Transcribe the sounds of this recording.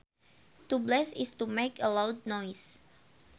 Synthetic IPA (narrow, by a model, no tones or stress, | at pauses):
tublɛsɪstumekʰəlawd̚nɔjs